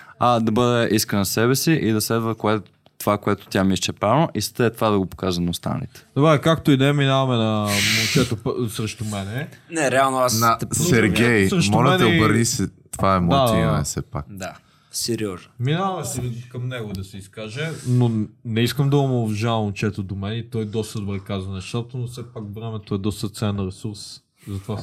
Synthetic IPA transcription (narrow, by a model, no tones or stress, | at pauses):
ad̪ɐbɤd̪ɛʔiskənɐsɛβɛsiʔid̪ɐslɛd̪vəkoɛt̪ | t̪ovakoɛt̪o̥t̪ʲjamiʃt͡ʃɛpɾavnoʔist̪əɛt̪ovad̪ɐɡopo̥kaʒɛnɐʊst̪a̰nə̰lḭt̪ɛ̥d̪obakak̚t̪oid̪ɛminavɐmɛnɐmot͡ʃɛt̪opsɾəʃt̪omɛnɛnɛɾɛalˠnoasnɐt̪ɛpsɛɾɡʲɛjsəʃmɔlɛɛnɛobəɾnisɛ | t̪vaɛmɔad̪iɐ̰ɛ̰sɛpa̰kd̪a | sɛɾiɔznminavɐmɛskɐmnɛɡod̪ɐsɛiskaʒɛnonɛiskəmd̪ɐomʊvʒavmnt͡ʃɛt̪od̪omɛnɛit̪ɔjd̪ɔst̪əd̪obɾɛkazvɐnɛʃt̪at̪onofsɛpakvɾɛmɛt̪oɛd̪ɔst̪ət̪sɛnɾɛsuɾs | zɐt̪ova